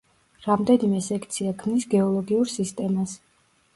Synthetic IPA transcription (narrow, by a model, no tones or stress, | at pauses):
ɾamd̪ɛnimɛsɛkʰt̪sʰiakʰmnisɡɛɔlˠɔɡiuɾsist̪ʼɛmas